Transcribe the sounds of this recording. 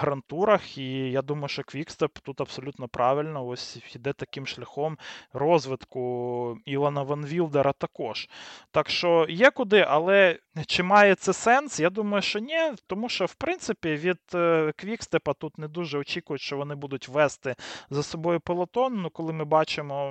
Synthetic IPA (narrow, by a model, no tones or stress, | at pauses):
ɦɾɐnt̪uɾɐxijad̪umɐjʊʃt͡ʃɔkʋʲikst̪ɛpt̪ut̪ɐbsɔlʲut̪nɔpɾɑʋɪlʲnɔɔsʲid̪ɛt̪ɐkɪmʃlʲɐxɔmrɔzʋɪt̪kʊilˠɐnɐʋɐnʋʲilˠd̪eɾʔɐt̪ɐkɔʃt̪ɑkʃt͡ʃɔjɛkʊd̪ɪʔɐlˠɛt͡ʃɪmɑjɛt̪sɛsɛnsjad̪umɐjʊʃt͡ʃɔnʲɛt̪ɔmuʃt͡ʃɔwpɾɪnt̪sɪpʲiʋʲid̪̥kʋʲikst̪ɛpɐt̪ut̪nɛd̪uʒɛɔt͡ʃikʊjʊʃt͡ʃɔʋɔnɪbud̪ʊtʲʋɛst̪ɪzɐsɔbɔjʊpelˠɐt̪ɔnːukɔlˠɪmɪbɑt͡ʃɪmɔ